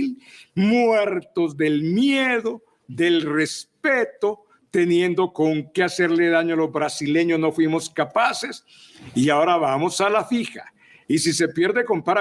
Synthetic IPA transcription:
lmweɾt̪ozd̪e̞lmjeðo̞ | ðe̞lre̞spet̪o̞ | t̪e̞nje̞nd̪o̞ko̞ŋkease̞ɾleðaɲoalo̞zβɾasile̞ɲosno̞fwimo̞skapase̞s | iao̞ɾaβamosalafixa̰ | isise̞pje̞ɾðe̞ko̞mpaɾa

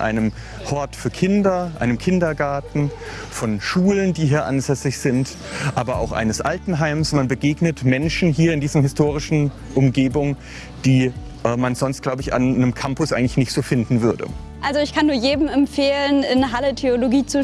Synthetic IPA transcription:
ʔa̰ɪnəm | hɔɐtfyːɐkʰɪndɐʔa̰ɪnəmkʰɪndɐɡaɐtn̩ | fɔnʃuːləndiːɦiːɐʔa̰nzɛsɪçz̥ɪnt | ʔaːbɐʔa̰ʊxʔa̰ɪnəsʔa̰ltn̩ɦaɪmsmanbəɡeːɡnətmɛnʃn̩ɦiːɐɪndiːzɐhɪstʰoːʁɪʃn̩ | ʔʊmɡeːbʊŋə | d̥iː | ʔɛːmanz̥ɔnst̚laʊbəɪça̰nːəmkʰampʊsʔaɪŋ̩tlɪçnɪçtz̥oːfɪndn̩vʏɐdə̰ | ʔalzoɪçkʰanːuːɐjeːdm̩ɛmfeːlənɪnəɦalətʰeoloɡiːt͡su

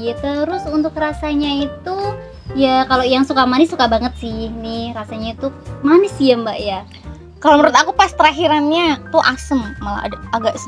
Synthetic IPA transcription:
jat̪əɾʊsunt̪ʊkrasaɲait̪u | jakalojaŋsukamanɪsːukabaŋət̪̚sɪhnɪhrasaɲait̪umanɪsiəmbaʔja | kaloməɾʊt̪akupast̪əɾaɦiɾanɲat̪uʔasəmːa̰a̰daɡaʔs

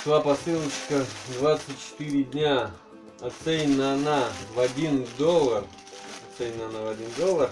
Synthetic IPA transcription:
d̪̥vapɐsɨlˠət͡ɕkəd̪vat̪sɨt̚ʲt͡ɕɪ̥t̪ɨɾʲɪdʲnʲa | ɐt̪sɛnʲɪnəɐnavɐdʲind̪olˠər | ɐt̪sɛnʲɪnəɐnavɐdʲind̪olˠːər

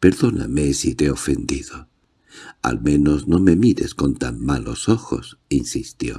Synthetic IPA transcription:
pe̞ɾðo̞na̰mesit̪eofend̪iðo | a̰lmẽ̞no̞zno̞me̞miɾe̞sko̞nt̪amːalo̞̰so̞xo̞̰sinsist̪jo̞̰

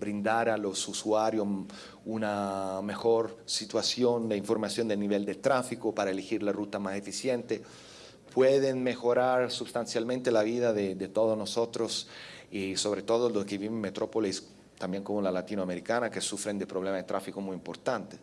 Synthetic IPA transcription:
bɾind̪aɾalosuswaɾjo | unamexoɾsit̪wasjond̪eiɱfoɾmasjond̪elniβeld̪et̪ɾafikopaɾaelixiɾlarut̪amasefisjent̪e | pʰweðenmexoɾaɾsubst̪ansjalmẽnt̪elaβiðaðed̪et̪oðosnosot̪ɾosisoβɾet̪oðoloskeβimemet̪ɾopolis | t̪ambjeŋkomolalat̪inoameɾikanakesufɾend̪epɾoβlemaðet̪ɾafikomujimpoɾt̪ant̪e̥

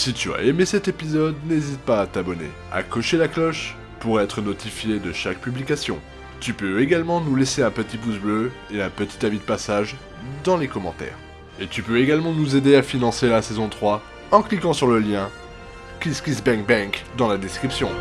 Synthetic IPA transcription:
sit̪ya̰emesɛt̪epizɔd̪nezit̪̚paːt̪abɔnḛ | a̰kɔʃelaklɔʃ | puʁɛt̪χənɔt̪ifjed̪əʃak̚pyblikasjɔ̰̃ | t̪ypøeɡalmɑ̃nuleseɛ̃pət̪ipusblø | eɛ̃pət̪i̥t̪abid̪əpasaʒ | d̪ɑ̃lekɔmɑ̃t̪ɛ̰ːʁ | et̪ypøeɡalmɑ̃nuzed̪eafinɑ̃selasɛzɔ̃t̪χwa | ɑ̃klikɑ̃syʁləljɛ̃ | kʲiskʲisbɛ̃kbɛ̃kd̪ɑ̃lad̪ɛskχipsjɔ̃

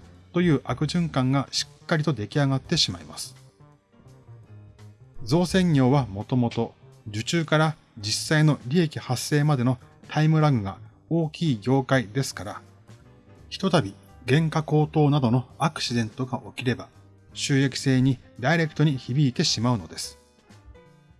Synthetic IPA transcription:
t̪o̞jɯ̟ːʔakɯ̟ʑɨ̃ŋkãŋɡaɕi̥kːaɾʲit̪o̞d̪e̞kʲiaɡat̪ːe̞ɕimaima̰sɨ̥ | zo̞ːsẽ̞ɲʲjʲo̞ːβamo̞t̪o̞mo̞t̪o̞d͡ʑɨt͡ɕɨːkaɾa | d͡ʑisːaino̞ɾʲie̞kʲihasːe̞ːmad̪e̞no̞ | t̪ʰaimɯ̟ɾaɡɯ̟ɡa̰ | o̞ːkʲiːɡʲo̞ːkaid̪e̞sɨ̥kaɾa | çi̥t̪o̞t̪abʲi | ɡẽ̞ŋkako̞ːt̪o̞ːnad̪o̞no̞akɯ̟̥ɕid̪ẽ̞nt̪o̞ɡaʔo̞kʲiɾe̞ba | ɕɨːe̞kʲi̥se̞ːɲ̟id̪aiɾe̞kɯ̟̥t̪o̞ɲ̟içibʲiːt̪e̞ɕimaɯ̟no̞d̪e̞sɨ̥

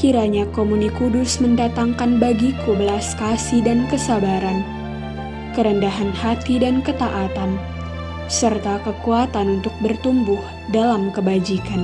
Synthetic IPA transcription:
kiɾaɲakomunikudʊsməndat̪aŋkanbaɡikubəlaskasidankəsabaɾan | kəɾəndaɦanhat̪idankət̪aʔat̪an | sərt̪akəkuat̪anunt̪ʊk̚bərt̪umbʊh | dalamkəbad͡ʒikan

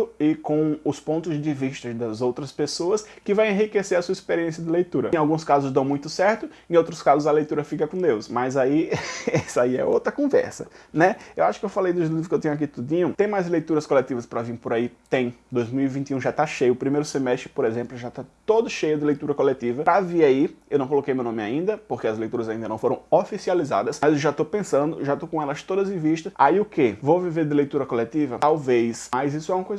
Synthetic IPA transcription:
ʊɪkõw̃ʊspõnt̪ʊzd̪ɪviʃt̪ɐd̪ɐzowt̪ɾɐspesoɐskɪvãj̃ẽɦikeseɾɐsuɐispeɾiẽsjɐd̪ɪlejt̪uɾɐẽawɡũskazʊzd̪ɐ̃w̃mũj̃t̪ʊsɛɾt̪ʊẽowt̪ɾʊskazʊzɐlejt̪uɾɐfikɐkõd̪ewsmɐzaiɛsaiɛ̰o̰wt̪ɾɐkõvɛ̰ɾsɐ̰nɛewaʃʊ̥kɪewfalejd̪ʊʒlivɾʊkɪewt̪ẽɲ̃ak̬it̪ud̪ĩɲʊ̃t̪ẽj̃majzlejt̪uɾɐskolet̪ivɐspɾavĩpoɾait̪ẽj̃d̪ojzmiwivĩt̪iũʒat̪aʃejʊpɾimejɾʊsemɛst̪ɾɪpoɾezẽmplʊʒat̪at̪od̪ʊʃejʊd̪ɪlejt̪uɾɐkolet̪ivɐpɾaviaiewnɐ̃w̃kolokejmewnõmɪa̰ĩnd̪ɐpoɾkeɐzlejt̪uɾɐzaĩnd̪ɐnɐ̃w̃foɾɐ̃w̃ofisializa̰d̪ɐsmɐzewʒat̪opẽsɐ̃nd̪ʊʒat̪okõɛlɐst̪od̪ɐzẽviʃt̪ɐaiʊkevowviveɾd̪ɪlejt̪uɾɐkolet̪ivɐt̪awvejsmɐjzisʊɛũmɐkojzɐ

